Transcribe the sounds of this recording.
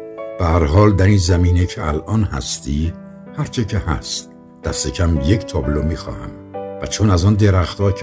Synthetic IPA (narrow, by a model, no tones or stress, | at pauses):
b̥ehæɾɦɒːld̪æɾinzæmiːnecʰeælʔɒːnhæ̰st̪ʰiː | hæɾt͡ʃʰecʰehæ̰st̪ | d̪̥æst̪ecʰæmje̞cʰt̪ʰɒːblomiːxɒ̰ːhæ̰m | væt͡ʃʰonæzɒːnd̪e̞ɾæxt̪ɒːcʰ